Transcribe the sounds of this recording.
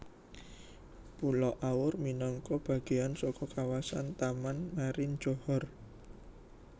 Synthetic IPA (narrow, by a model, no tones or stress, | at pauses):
pulɔʔaʊrminɔŋkɔb̥ä̤ɡ̥e̤ansɔkɔkawasa̰nt̪amanmaɾɪn̥d͡ʒ̥ɔhɔr